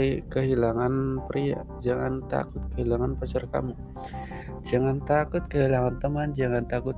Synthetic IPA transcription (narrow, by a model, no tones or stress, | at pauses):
ikəɦilaŋanpəɾia̰ | d͡ʒaŋant̪a̰kʊt̪̚kəɦilaŋanpət͡ʃərka̰mu | d͡ʒaŋant̪akʊt̪̚kəɦilaŋant̪əmand͡ʒaŋant̪akʊt̪̚